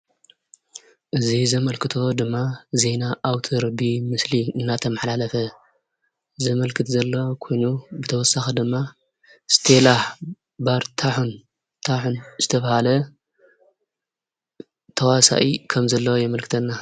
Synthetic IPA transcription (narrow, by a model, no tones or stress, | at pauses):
ʔɨzizɐmɐlkɨt̪ʰo̞d̪ɨmːaze̞naʔːwt̪ʰɨɾbimɨsliɨnːat̪ʰɐmɐħlalɐfɐ | zɐmɐlkʰɨt̪zɐlːokʰo̞jnubɨt̪ʰɐwɔsːaxɐd̪ɨmːa | st̪ʰelaħ | baɾt̪ʰaħun | t̪ʰaħunzɨt̪ʰɐβahalɐ | t̪ʰɐwasa̰ʔikʰɐmzɐlːɐwjɛmɐlkʰɨt̪ʰɐnːa